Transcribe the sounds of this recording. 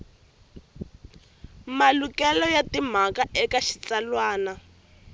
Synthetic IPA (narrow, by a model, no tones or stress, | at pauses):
malukɛlɔjatim̤akaʔɛkaʃi̥t͡salwaːna